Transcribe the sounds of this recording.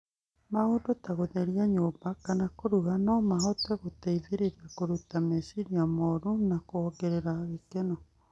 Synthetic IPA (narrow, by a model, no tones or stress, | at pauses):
maoːndotaɣoðɛɾiaɲoːbakanakoɾuɣanɔmaɦɔtɛɣotaiðeɾeɾiakoɾutamɛsiɾiamɔɾunakoɔɡɛɾeɾaɣekenɔ